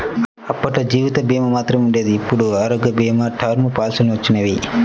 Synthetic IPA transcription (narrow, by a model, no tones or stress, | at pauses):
ɐpːɐʈɐd͡ʒiːʋit̪ɐbiːmɐmaːt̪ɾɐmuɳɖeːd̪iːpːuɽuaːɾoːɡjɐbiːmɐʈʰaːɾmupaːlsulniʋɐt͡ʃːinɐʋi